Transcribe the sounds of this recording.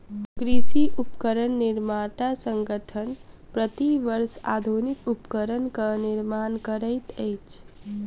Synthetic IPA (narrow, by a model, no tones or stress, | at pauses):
kɾisiʔupkəɾənːiɾmat̪asəŋɡəʈʰən | pɾət̪iʋəɾsa̰d̪ʱunikupkəɾənkəniɾmankəɾəjt̪əjt͡ʃʰ